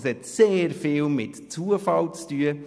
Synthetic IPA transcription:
shɛtseːɾfɪːlmɪt | t͡suəfɑlt͡styə

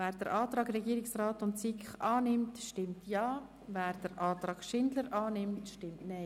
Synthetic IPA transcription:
vɛːɾd̥əɾʔɑːtɾɑːɡrɛɡiəɾɪksraːtʊntsikχɑːnɪmtʃtɪmtjɑː | vɛːɾd̥əɾʔɑːt̪ɾɑːɡ̥ʃɪndləɾʔɑːnɪmtʃtɪmtnɛɪ

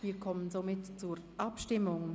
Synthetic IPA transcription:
viːkʰɔmənzomɪtt͡suːɾʔapʃtɪmʊŋ

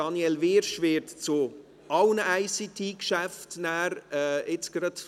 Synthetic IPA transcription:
ɑnjɛlvɪɾʃvɪɾtt͡sʊ | ɑwnəæɪsit̪ʰikʃæftnæːɾɛɪt͡sɡ̥ɾɑt

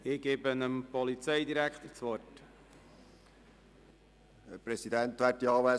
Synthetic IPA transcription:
ɪɡ̥eːbənəmpɔlit͡sɛɪd̪iɾækχt̪əɾt͡sʋɔrt | ɛɾpɾɛsidænt̪ʋæːɾtiɑːʋæ

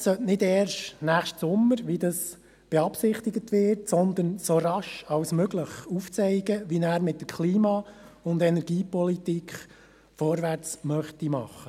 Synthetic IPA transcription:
sœtnɪdɛːɾʃnæːχʃtsʊmːəɾʋid̪ɑs | b̥eɑpsɪχt̪ɪɡətʋɪɾtsɔnd̪ənsoɾɑʃɑwsmøɡləχuft͡sɛɪɡəʋinæːɾmɪt̚dəkʰliːmɑʊndɛnɛɾɡ̥iːpɔlitikχ | fɔɾʋæɾt͡smœχtimɑχːə

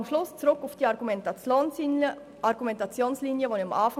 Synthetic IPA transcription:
mʃlʊst͡sʁʊkʊfd̥iːɑɾɡ̥umɛntɑt͡sjoːnsinə | ʔɑɾɡ̥umɛntɑt͡sjoːnsliːnjəvoːnɪamʔɑːfa

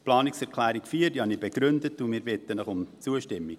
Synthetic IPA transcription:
plɑːniksɛɾklæːɾikfiːədiɑnibeɡ̥ɾʏndətːumɪːɾbɪt̪ːənəχʊmt͡suəʃtɪmːik

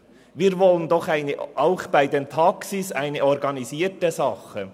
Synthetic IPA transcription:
viːɾvɔlənd̪ɔχaɪnəʔaʊχb̥aɪdentʰɑksisaɪnəɔɾɡɑnisiːtəsɑχə

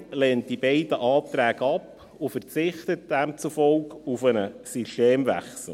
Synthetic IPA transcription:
lɛːnt̚d̥ibɛɪdəʔɑːt̪ɾæːɡəɑp | ufəɾt͡sɪχt̪ət̚d̥æmt͡sufɔlkufənəsyʃteːmvæ̰χsl̩ˠ

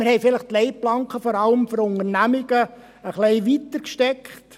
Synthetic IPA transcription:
məɾhɛɪfɪləχtlɛɪplɑŋkχəfɔɾɑləmfɔɾʊŋərnæmɪɡ̥ə | əχleɪʋitəɾkʃtɛkχt

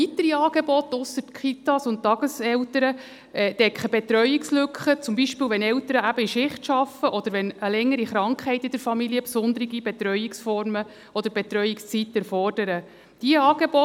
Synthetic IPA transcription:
it̪əɾiɑːɡ̥ebɔt̪ːʊsətkχit̪ɑsʊnttːɑɡ̥əsɛwtəɾə | ɛːd̥ɛkχəbet̪ɾœʏikslʏkχət͡sʊmbiʃpɪːwʋɛnɛwt̪əɾəæbəiʃɪχtʃɑfəʔɔd̥̪əɾʋɛnəlɛŋːəɾiχɾɑŋkχɛɪtːɪd̥̪əɾfɑmiliəpsʊnd̪əɾiɡibɛt̪ɾœʏiksfɔɾmə | ɔd̥̪əɾbet̪ɾœjikst͡sit̪ːɛɾfɔrd̥əɾə | d̥iəɑːɡ̥ebɔ

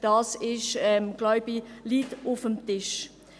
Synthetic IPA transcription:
d̥ɑːsɪʃɛmɡ̥lɔʏbiliːtʊfəmtɪʃ

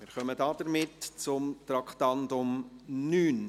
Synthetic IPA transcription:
mɪɾχœmədɑːd̥əɾmɪtt͡sʊmt̪ɾɑkʰtɑndʊmnyːn

